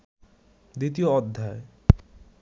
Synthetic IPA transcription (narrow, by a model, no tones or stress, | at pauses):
d̪it̪̬ioɔd̪ʱːae